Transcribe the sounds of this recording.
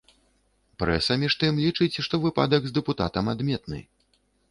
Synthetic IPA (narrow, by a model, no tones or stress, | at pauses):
pɾɛ̰sɐmʲiʂt̪ɨmlʲit͡ʂɨt͡sʲʂt̪ɔvɨpa̰d̪ɐɡzd̪ɛput̪a̰t̪ɐmad̪mʲɛt̪nɨ̰